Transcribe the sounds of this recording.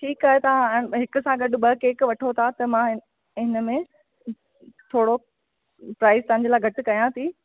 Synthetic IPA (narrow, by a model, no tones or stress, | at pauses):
ʈʰiːkaːɦet̪ɐʋ̤ãɦɪkʊ̆sãɡɐɖʊ̆ɓɐkeːkʋɐʈʰot̪ʰat̪ɐmã | ɪnə̆mẽ | t̪ʰoːɽo | pɾaːɪzt̪ɐ̃ɦɪ̃ɲ̆d͡ʑelaːɡʱɐʈʊ̆kɐjãt̪ʰiː